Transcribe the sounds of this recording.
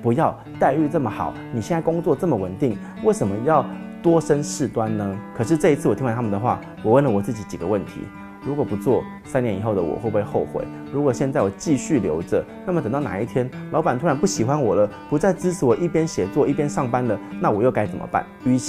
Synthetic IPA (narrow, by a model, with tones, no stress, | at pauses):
pu˧˦˥jɑ˥˧ʊ | t̪a˥˧ɪy˥˧t͡sə˥˩mə˩xɑ̰˨˩˦ʊni˨˩ɕjɛ˥˧na˥˩ko˥ŋt͡swɔ˥˧t͡sə˥˩mə˨wə˨˩nt̪i˥˩ŋ | we˥˩ɪʂə˧˩nmə˦jɑ˥˩ʊt̪wɔ˥ʂə˦˥nʂɻ̩˥˩t̪wa˦nnə˦kʰɤ˨˩ʂ̬ɻ̩˥˧ʈ͡ʂɤ˥˧i˥t͡s̩ʰ˥˩wɔ˨˩i˥ŋ˥a˥˩t̪ʰa˥mə˨nd̪ə˨xwa̰˥˩ | wɔ˨˩wə˥˩nlə˩wɔ˨˩t͡sɹ̩˥˩t͡ɕi˧˥t͡ɕi˨˩ɡə̰˦wə˥˩nt̪ʰḭ˧˥ | ɻu˧˥kwɔ˨˩pu˧˦t͡swɔ˥˩ | sa˥nɛ˧˥ni˨˩xo˥˩ʊd̪ə˨wɔ̰˨˩xwe˥˧ɪpe˥˧ɪxo˥˩ʊxwḛ˨˩ɪ | ɻu˧˥kwɔ˨˩ɕjɛ˥˧nt͡sa˥˩ɪwɔ˨˩t͡ɕi˥˧ɕy˥˨ljo̰˧˥ʊʈ͡ʂə˨ | na˥˩mə˩t̪ə˨˩ŋt̪ɑ˥˩na̰˨˦i˥˩t̪ʰjɛ˦˥nlɑ˧˥ba˨˩nt̪ʰu˥ɻa˧˥npu˥˩ɕi˨˩xwa˦nwɔ˨˩lə˦pu˧˦t͡sa˥˩ɪt͡sɻ̩˥ʈ͡ʂ̩ʰ˧˥wɔ˨˩ʔi˥˩pjɛ˥nɕjɛ˨˩t͡swɔ˥˧i˥˩pjɛ˥nʂɑ˥˩ŋpa˥nd̪ə˨na˥˩wɔ˨˩jo˥˩ʊka˥ɪt͡sə˨˩nmʔə̰˦pa̰˥˩ny˥˨